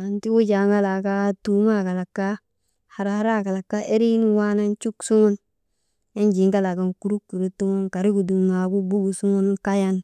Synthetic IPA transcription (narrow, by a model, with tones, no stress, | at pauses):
a˨nti˦wo˦d͡ʒa˨ŋɡa˦la˨ka˦tu˦ma˦˨ka˨la˨kːa˦ | ha˨ɾa˨ha˦ɾa˦˨ka˨la˨kːa˦ʔe˦ɾi˦n˦wa˦na˦nt͡ʃu˦ksu˦mu˦n | e˦nd͡ʒi˨˦ŋɡa˦la˨ɡa˨˦nku˨˦ɾu˦kːu˨ɾe˦tu˦mu˦nka˨ɾi˦ɡu˨du˨ma˨ɡu˦bu˦ɡu˨su˦mu˦n˦ka˦ja˦n